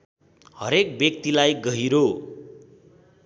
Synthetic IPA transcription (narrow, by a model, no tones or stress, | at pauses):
hʌɾek̚bjʌkt̪ilajɡʌɦiɾo